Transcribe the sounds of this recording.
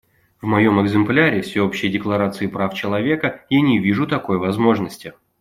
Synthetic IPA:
vmɐjo̞mɨɡzɨmplʲaɾʲɪfsʲɪo̞pɕːɪjdʲɪklˠɐɾat̪sɨɪpɾaft͡ɕɪlˠɐvʲe̞kəjanʲɪvʲiʐʊt̪ɐko̞jvɐzmo̞ʐnəsʲtʲɪ

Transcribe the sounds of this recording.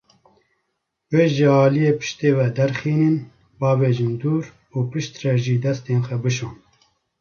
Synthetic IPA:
weːʒɪɑːlijeːpɨ̥ʃt̪eːvɛd̪ɛɾxiːnɨn | bɑːveːʒɨmd̪uːɾ | uːpɨʃt̪rɛʒiːd̪ɛst̪eːnxʷɛbɨʃoːn

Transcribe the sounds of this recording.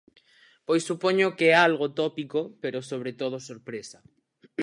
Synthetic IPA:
pojsːupoɲokeɛaalɣot̪ɔpikopeɾosoβ̞ɾet̪oð̞osoɾpɾesɐ

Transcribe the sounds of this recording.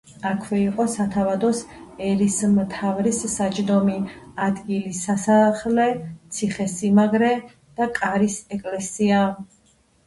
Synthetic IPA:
akʰwɛiqʼɔsat̪ʰavad̪ɔsɛɾismt̪ʰavɾisːat͡ʃʼd̪ɔmiad̪ɡilisasaχlɛt̪sʰiχɛsimaɡɾɛ | d̪̥akʼaɾisɛkʼlɛsia

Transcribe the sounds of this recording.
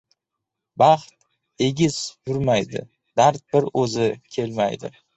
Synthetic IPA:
bɑχt̪ | e̞ɡʲɪz̥jʊɾmajd̪ɪ̰ | d̪aɾt̪̚bɪɾɵzɪkʲʰe̞lma̰jd̪ɪ̰

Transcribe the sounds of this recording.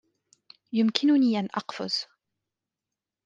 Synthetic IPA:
jʊmkɪnʊniːʔanʔɑqfʊ̰z

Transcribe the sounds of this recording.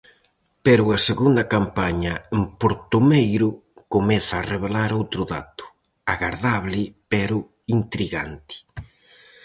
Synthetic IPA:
pɛɾʊaseɣund̪ɐkampaɲɐempoɾt̪omejɾʊ | komɛθaːreβelaɾowt̪ɾʊða̰t̪ʊ̥ | aɣaɾðaβlɪpɛɾʊ | int̪ɾiɣa̰nt̪ɪ̥

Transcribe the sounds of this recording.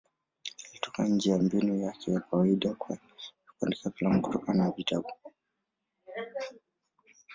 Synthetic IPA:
alitɔ̥ka̰n̩d͡ʒɛjambinujakɛjakawaiɗakwa | ikandɛsapilamku̥tɔkanavitabu

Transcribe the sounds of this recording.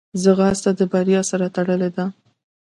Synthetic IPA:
zəɣahast̪ad̪əbaɾjɑsaɾat̪aɽəled̪a

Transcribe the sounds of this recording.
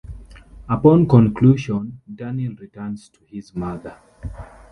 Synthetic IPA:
əpɔ̃nkɔ̃nkʰluʃɔ̃ndanilɹitənz̥tʰuizmaðə˞

